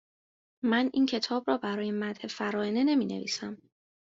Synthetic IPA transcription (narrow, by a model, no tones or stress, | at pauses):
mænʔiːncʰe̞t̪ʰɒːbɾɒːbæɾɒːjemæd̪he̞fæɾɒːene̞ne̞miːnḛvḭːsæm